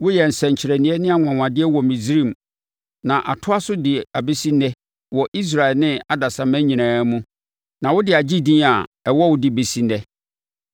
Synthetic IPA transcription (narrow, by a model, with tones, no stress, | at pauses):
wʊ˦jɛ˨n̩˨sɛ̃˨ɲ̩˨t͡ɕʰɪ˨ɾɛ˨nĩ˨˦ɛ˦nɪ̃˦a˨ŋʷ˨ã˨wã˨dɪ˦ɛ˦wɔ˨mĩ˨d͡zɾĩ˦˨m˨ | nã˨ʔa̰˨tʰʊ˦a˦sʊ˦dɪ˨a˨be˦si˦nɛ˦ | wɔ˨ʔi˦s̬ɾa˨ɛ˨lnɪ̃˦a˨da˨sã˨mæ̃˦ɲĩ˨nãː˨˦mũ˦ | nã˨wʊ˦dɪ˨a˨d͡ʑi˦dĩ˦a˨ɛ˨wɔ˦wʊ˦dɪ˨be˨si˦nɛ˦